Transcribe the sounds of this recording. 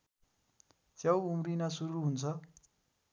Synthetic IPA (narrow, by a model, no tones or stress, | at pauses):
t͡sjʌwumrinasuɾuɦunt͡sʰʌ